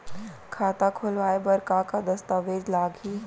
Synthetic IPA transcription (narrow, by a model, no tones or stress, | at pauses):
kʰaːt̪akʰolʋaːebɐɾkaːkad̪ɐst̪aːʋeːd͡ʒlaːɡiː